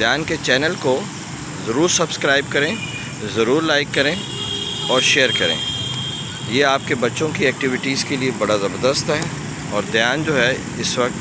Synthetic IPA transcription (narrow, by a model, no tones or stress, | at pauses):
d̪jaːnket͡ʃɛːnəlko | zɐɾuːɾsɐbskɾaːɪb̚kɐɾẽ | zɐɾuːɾlaːɪkːɐɾẽ | ɔːɾʃeːəɾkɐɾḛ̃ː | jeaːp̚kebɐtːʃõkiɛːk̚ʈɪʋɪʈiːzkeliebɐɽazɐbəɾd̪əst̪ɦɛː | ɔːɾd̪jaːnd͡ʒoːɦɛ | ɪsʋɐqt̪